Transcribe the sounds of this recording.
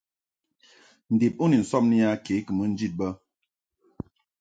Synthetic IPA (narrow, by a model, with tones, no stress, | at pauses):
n̩˨de˨p̚u˦ni˨n̩˨sɔ˦m̚ni˦ja˦ke˨˦kə˨mə˦n̩˦d͡ʒi˦˨t̚bə˦